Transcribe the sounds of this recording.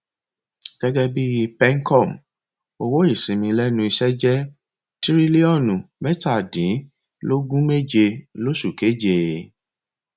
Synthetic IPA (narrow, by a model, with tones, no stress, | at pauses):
ɡ̥ɛ˦ɡɛ˦bi˦pɛ˦ŋ̩˦kɔ˦˨m | o˧wo˦i˦˨sĩ˨mĩ˧lɛ˦nũ˧i˧ʃɛ˦d͡ʒɛ˦ | ti˦ɾi˦li˦ɔ˦˨nũ˨mɛ˦ta˦˨dĩ˨˦ | lo˦ɡũ˦me˦d͡ʒe˧lo˦ʃu˦˨ke˨˦d͡ʒe˨